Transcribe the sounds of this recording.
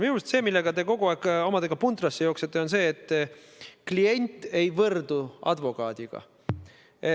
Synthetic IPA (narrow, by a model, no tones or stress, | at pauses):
miumest̪se̞ːmilːe̞ɡ̥ɑt̪e̞ko̞ɡ̥uɑˑːkːˑo̞mɑd̪̥e̞ɡ̥ɑpund̪rɑsːe̞jo̞ːkset̪ːˑeonse̞ːt̪ːˑ | klie̞nʲt̪ːˑe̞jvɤrd̪̥uɑ̰d̪vo̞kɑːd̪̥iɡ̥ɑ̰ | e